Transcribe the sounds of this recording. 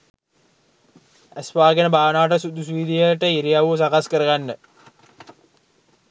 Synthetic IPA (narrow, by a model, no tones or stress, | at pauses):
æsʋaːɡenəbʱaːʋnaːʈ̬əsud̪usuiːd̪ijəʈəiɾiaʋusakaskəɾəɡanːə